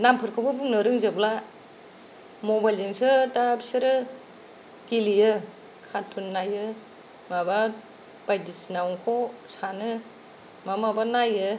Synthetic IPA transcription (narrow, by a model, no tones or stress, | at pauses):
nampʰɯɾkʰobɯbuŋnɯɾɯŋzɯbla | mɔbajlzɯŋsɯtapʰsɯɾɯ | kilijɯ | kʰatʰunːajɯ | maba | b̥ajdisnawŋkʰɔsanɯ | mamabanajɯ